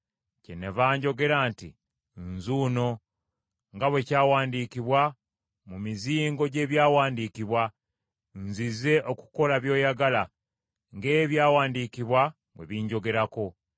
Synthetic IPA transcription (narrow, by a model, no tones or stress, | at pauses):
cenevaːɲɟo̞ɡe̞ɾaːntḭ | nzuːno̞ | ŋɡaβwe̞caːwaːndiːkiβwa | mumiziːŋɡo̞ɟe̞ːβjaːwaːndikiβwa | nzize̞ʔo̞ku̥ko̞laβjo̞ːjaɡala | ŋɡe̞ːβjaːwaːndikiβwa | βwe̞̰βiɲɟo̞ɡe̞ɾako̞